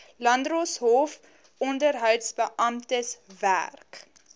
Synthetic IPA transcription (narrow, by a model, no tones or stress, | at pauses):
lɐndrosɦof | ɔndərɦœwtsbəʔɐmtəsvæ̰rk